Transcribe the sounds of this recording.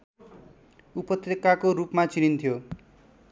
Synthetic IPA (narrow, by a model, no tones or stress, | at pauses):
upɔt̪ɾekakoɾupmat͡ʃinint̪ʰijo